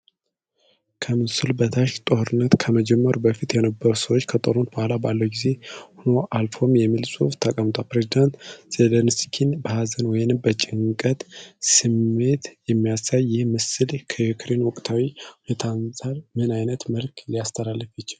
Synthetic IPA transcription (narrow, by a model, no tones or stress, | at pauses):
kʰəmɨsɨlbət̪ʰaʃt̪ʼohɾɨnːət̪kʰəməd͡ʒɛmːəɾubəfit̪jɛnəbːəɾusəwot͡ʃːkʰət̪ʼoɾunbohalabalːəwɡize̞huno̞ʔalfo̞mjɛmːilsʼuft̪ʰakʼəmt̪ʼalpɾezid̪ant̪z̥elənskʰinbəhazənwɔjnɨmbət͡ʃʼɪŋkʼət̪sɨmːe̞t̪jɛmːijasajːɪhmɨsɨlkʰəjukʰɾenwɔkʼt̪ʰawiunet̪ʰansʼalmɨnajnət̪məlkʰliast̪ʰəlalːəfɛt͡ʃːl